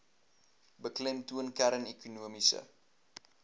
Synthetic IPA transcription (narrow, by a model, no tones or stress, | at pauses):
bəklɛmtuənkæɾənekunuəmisə̰